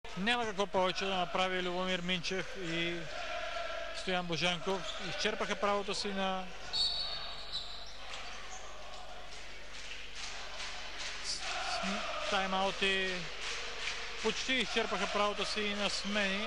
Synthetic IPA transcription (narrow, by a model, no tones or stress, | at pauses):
nʲamɐkɐkvɔpɔvɛt͡ʃɛd̪ɐnɐpɾavilʲʊbomiɾmint͡ʃɛf | i | st̪ojanboʒɛŋkofist͡ʃɛɾpəxɐpɾavot̪osinɐ | sst̪ajmalˠt̪i | pot͡ʃt̪iːst͡ʃɛɾpəxɐpɾavot̪osiːnɐsmɛni